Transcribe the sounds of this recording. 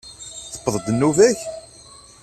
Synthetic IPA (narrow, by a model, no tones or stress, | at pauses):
θə̥pːəðˤd̪ənːuvæç